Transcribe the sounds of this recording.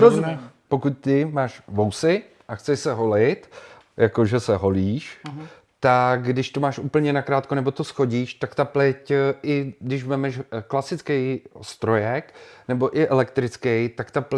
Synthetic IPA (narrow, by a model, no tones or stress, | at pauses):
opo̞kut̪̚t̪ɪmaːʃvowsɪ | ʔaxt͡sɛʃsɛɦo̞lɪt̪ | jako̞ʒɛsɛɦo̞liːʃ | t̪aɡɡdɪʃt̪omaːʃʔuːpl̩ɲɛnakɾaːt̪̚konɛbo̞t̪o̞sxo̞ɟiːʃt̪akt̪aplɪcʔɪɡdɪʃvɛmɛʃklasɪt͡skɛjst̪ɾo̞jɛknɛbo̞ʔɪʔɛlɛkt̪ɾɪt͡skɛjt̪akt̪ap